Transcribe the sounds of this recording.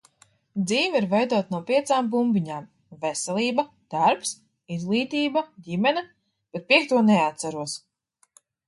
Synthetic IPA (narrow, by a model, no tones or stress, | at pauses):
d̪ziːviɾvɛjd̪uɔt̪nuɔpʲiɛt̪saːmbumbʲiɲaːm | vɛsɛlˠiːbɐ | d̪̥aɾps | izɡlˠiːt̪iːbɐɟʲimɛnɛ | b̥ɛt̪̚piɛk̚t̪uɔnɛat̪saɾuɔs